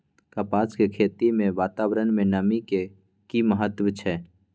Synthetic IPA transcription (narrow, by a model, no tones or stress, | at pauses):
kəpaːskekʰeːt̪imẽʋaːt̪aːwɾənmẽnəmike | kiməɦət̪wət͡ʃʰɛ